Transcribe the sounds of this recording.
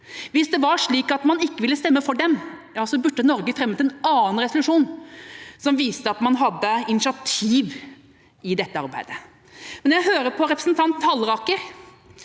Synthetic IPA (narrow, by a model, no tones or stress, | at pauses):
ʋɪsd̪ɛʋɑɾʂɭiːkɑt̪mɑnɪkːəʋɪlːəst̪ɛmːəfɔɖɛmjɑːsɔbʉɖ̪ːənɔɾɡəfɾɛmːt̪ɪlːɛnɑːənɾɛsʊlʉʂuːn | sɔmʋiːst̪əɑt̪mɑnɦɑd̪ːəɪnɪʃɑt̪ʰiːʋ | ɪd̪ɛt̪ːəɑ̰ɾbæ̰ɪd̪ə | mɛnjæɦøːɾəpʰɔɾɛpɾəsnt̪ʰɑnt̪hɑlːɾɑːkəɾ